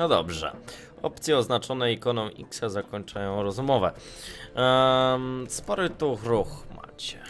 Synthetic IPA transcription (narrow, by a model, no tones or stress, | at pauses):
nɔd̪ɔ̰bʐɛ̰ | ɔ̰pt̪sʲjɛɔznat͡ʂɔnɛikɔnɔ̃w̃ʔḭksazakɔɲt͡ʂajɔ̃w̃ɾɔzmɔvɛ | spɔɾɘt̪uxɾuxma̰t͡ɕɛ̥